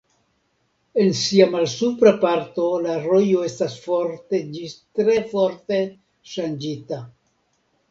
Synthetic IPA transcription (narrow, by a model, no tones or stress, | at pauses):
e̞nsiamalsupɾapaɾt̪o̞laɾo̞jo̞e̞stasfoɾt̪e̞d͡ʒist̪ɾe̞fo̞ɾt̪e̞ | ʃand͡ʒit̪a